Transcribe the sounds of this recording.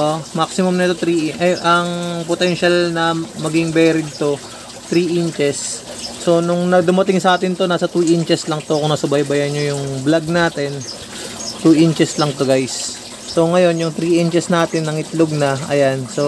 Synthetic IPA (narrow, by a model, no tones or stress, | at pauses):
ʔʔomaksɪmʊmnɛt̪ot̪ɾiʔʔɐjʔɐŋpot̪ɛnʃalnɐmɐɡɪŋbɛːɾɪd̪̚t̪o̞ | t̪ɾiːʔɪnt͡ʃɛsː | o̞nʊŋnɐd̪ʊmɐt̪ɪŋsɐʔaːt̪ɪnt̪o̞naːsɐt̪uːʔɪnt͡ʃɛslɐŋt̪okoŋnɐsɐbɐjbɐjɐɲːojʊŋblaɡ̚naːt̪ɛn | t̪uːʔɪnt͡ʃɛslɐŋt̪oɡajsː | o̞ŋɐjo̞njʊŋt̪ɾiːʔɪnt͡ʃɛsnaːt̪ɪnːɐŋɪt̪loɡ̚nɐɐ̰janso̞